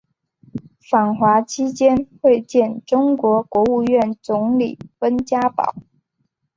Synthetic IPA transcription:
fa˨˩ŋxwa˧˥t͡ɕʰi˥t͡ɕjɛ˥nxwe˥˧ɪt͡ɕjɛ˥˩nʈ͡ʂʊ˥ŋkwɔ˧˥kwɔ˧˥u˥˧ɥɛ˥˩nt͡sʊ˧˥ŋlḭ˨˩fə˥nt͡ɕja˥pɑ̰˨˩˦ʊ

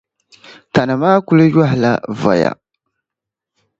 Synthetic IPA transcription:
ta˨na˨maː˦ku˦lu˦ja˦hla˦vɔ̰˨ja̰˨

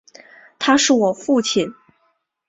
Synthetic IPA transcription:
t̪ʰa˥ʂɻ̩˥˩wɔ˨˩fu˥˩t͡ɕʰi˨˩˦n

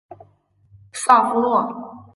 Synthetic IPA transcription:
sa˥˩fu˥lwɔ˥˩

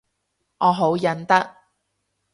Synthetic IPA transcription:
ʔɔː˨˧ɦo˨˥wjɐ˨˧˥nt̪ɐ˥k̚

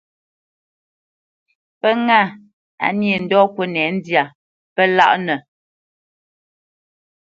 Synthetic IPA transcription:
pə˦ŋa˦˨ | a̰˨njə˨n̩˨dɔ˦kwə˦nɛ˨˦n̩˦dja˨ | pə˦la̰˦˨ʔnə˨

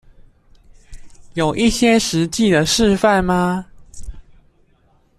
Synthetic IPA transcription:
jo˨˩ʊʔi˥˩ɕjɛ˦ʂɻ̩˨˦t͡ɕi˥˨d̪ə˨ʂɻ̩˥˧fa˥˨nma˦

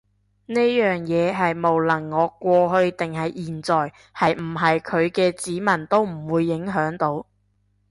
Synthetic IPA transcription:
neː˥jœː˨˩ŋjɛː˨˧ɦɐ˨jmo˨wlɐ˨˩ŋːɔː˨˧kʷɔː˧ɦɵ˧ɥt̪ɪ˨ŋhɐ˨jʔiː˨˩nt͡sɔː˨j | hɐ˨jm̩˨˩ɦɐ˨jkʰɵ˨˧ɥkɛː˧t͡siː˨˥mɐ˨˩nt̪o˥wm̩˨˩wuː˨˧jːɪ˨˥ŋɦœː˨˥ŋt̪o˨˥w

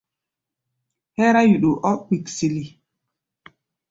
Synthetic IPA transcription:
hɛ˦ɾa˦ju˨ɗu˨ʔɔ˦k͡pi˨ksi˨li˨

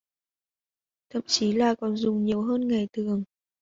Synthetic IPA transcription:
t̪ʰə̰˧˨mt͡ɕi˨˦laː˨˩kɔ˨˩nzʊ˨˩ŋ͡mɲi˨˩əwɦəː˧nŋa˨˩jt̪ʰɨ˨˩əŋ

